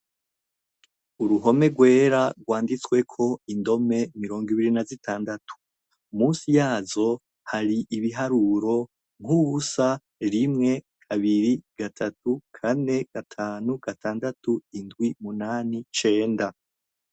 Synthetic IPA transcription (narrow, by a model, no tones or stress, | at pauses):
uɾuɦo̞me̞ɡwe̞ːɾaɡɡwaːndit͡swe̞kʰo̞indo̞me̞miɾo̞ːŋɡiβiɾinazitʰaːndatʰu̥ | muːnsijaːzo̞ | haɾiʔiβiɦaɾuɾo̞ | ŋ̥uɡusa | ɾimŋe̞ | kʰaβiɾiɡ̥atʰatukʰane̞ɡ̥atʰaːnuɡ̥atʰaːndatuindɡwimunaːnit͡ʃe̞ːnda